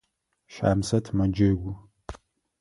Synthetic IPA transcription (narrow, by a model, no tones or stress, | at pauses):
ʃa̰ːmsɐtʰmɐd͡ʒɐɡʷʊ